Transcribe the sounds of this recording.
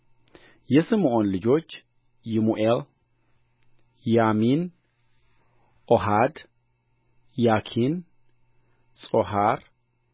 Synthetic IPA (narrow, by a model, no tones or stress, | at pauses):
jɛsɨmʔo̞nlɨd͡ʒo̞t͡ʃː | jɪmuʔel | jamin | ʔoɦad̪ | jakʰin | sʼoɦaɾ